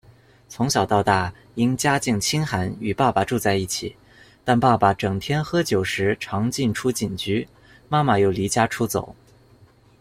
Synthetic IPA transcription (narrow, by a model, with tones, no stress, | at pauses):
t͡sʰʊ˧˥ŋɕjɑ˨˩ʊt̪ɑ˥˧ʊt̪a˥˩ | i˥nt͡ɕja˥t͡ɕi˥˩ŋt͡ɕʰi˥nxa˧˥ny˨˩pa˥˩pa˩ʈ͡ʂu˥˧t͡sa˥˧ɪi˥˩t͡ɕʰḭ˨˩˦ | t̪a˥˧npa˥˩pa˩ʈ͡ʂɤ˨˩ŋt̪ʰjɛ˥nxɤ˥t͡ɕjo˨˩ʊʂɻ̩˧˥ʈ͡ʂʰɑ˧˥ŋt͡ɕi˥˩nʈ͡ʂʰu˥t͡ɕi˨˩nt͡ɕy˧˥ | ma˥ma˧jo˥˩ʊli˧˥t͡ɕja˥ʈ͡ʂʰu˥t͡so̰˨˩˦ʊ